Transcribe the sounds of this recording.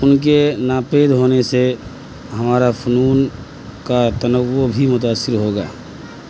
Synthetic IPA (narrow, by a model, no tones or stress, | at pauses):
ʊnk̬enaːpeːd̪ɦoːnese | ɦəmaːɾapʰʊnuːn | kat̪ənəwobʱimʊt̪̬aːsːɪɾɦoːɡaː